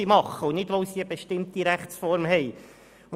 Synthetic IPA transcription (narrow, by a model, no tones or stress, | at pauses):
imɑχəʊnɪdʋoʊsiəbeʃtɪmt̪iɾæχt͡ssfɔɾmɦɛj